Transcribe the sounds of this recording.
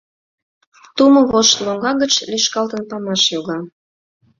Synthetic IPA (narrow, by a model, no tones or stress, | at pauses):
t̪umoβoʃt̪loŋɡɑɣət͡ɕliʃkɑlt̪ənpɑmɑʃjoɣɑ